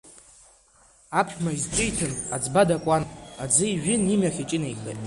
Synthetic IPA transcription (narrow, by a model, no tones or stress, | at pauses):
apʷʰᶣmaizt͡ʃʷʼɪjtʰɨnad͡zbadakʷʼanad͡zɨiʒᶣɪnimaχʲit͡ʃʼɪnejχḛtʼ